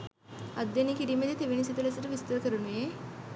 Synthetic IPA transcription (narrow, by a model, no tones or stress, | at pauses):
əd̪ːjeniːkiɾiːməd̪ʱjet̪eʋeñisit̪ilasəʈ̪ːʋist̪əɾkəɾunje